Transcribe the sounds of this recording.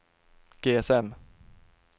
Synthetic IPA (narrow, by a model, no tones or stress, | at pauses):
ɡ̥eːɛsɛm